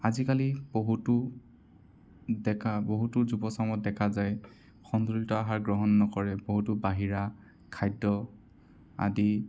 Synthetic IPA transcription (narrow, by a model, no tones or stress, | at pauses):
azikaliboɦutʊ | dɛkʰaboɦutʊzubɔsamɔt̚dɛkʰazaj | xɔndultɔaɦaɹɡɹɔɦɔnːɔkɔɹɛboɦutʊbaɦiɹa | kʰajdːɔ | a̰di